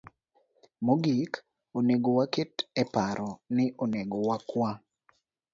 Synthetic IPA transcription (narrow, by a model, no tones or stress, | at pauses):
moɡik | oneɡowaketɛpaɾʔɔnɪʔoneɡowakwa